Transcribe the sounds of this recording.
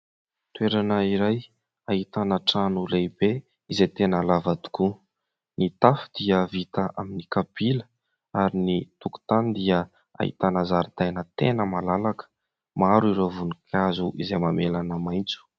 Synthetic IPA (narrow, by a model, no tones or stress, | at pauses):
t̪ueɾanəiɾaj | aɦit̪anəʈ͡ʂanulebe | izet̪enəlavad̪u̥ku | nit̪afu̥d̪̥iəvit̪aʔaminikapilə | aɾinit̪uku̥t̪and̪iə | a̰ɦḭt̪anazaɾid̪̥ajnət̪enəmalalakə̥ | maɾuiɾovunikʰazuʔizejmamelanəmajnt͡su̥